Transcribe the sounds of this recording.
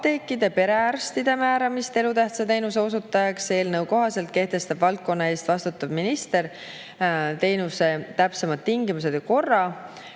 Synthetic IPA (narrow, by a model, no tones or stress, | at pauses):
t̪e̞ːkːˑid̪e̞pe̞ɾe̞ærst̪id̪emæːɾɑmist̪e̞lut̪æht̪sɑt̪e̞jnus̬e̞o̞sut̪ːˑɑjɑkse̞ːlnɤwko̞ɦɑse̞lt̪̚ke̞ht̪e̞st̪ɑb̥vɑlt̪̚ko̞nːɑe̞ːst̪vɑst̪ut̪ːˑɑb̥minist̪e̞ɾ | t̪e̞jnuse̞t̪æpse̞mɑd̪̥t̪iŋɡimuse̞d̪̥ko̞rːɑ